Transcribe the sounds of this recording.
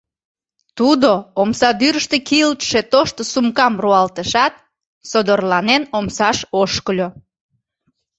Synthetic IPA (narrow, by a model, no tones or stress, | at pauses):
t̪ud̪oomsɑd̪yɾəʃt̪ekiəlt̪ʃet̪oʃt̪osumkɑmruɑlt̪əʃɑt̪̚ | sod̪orlɑnenomsɑʃoʃkəlʲo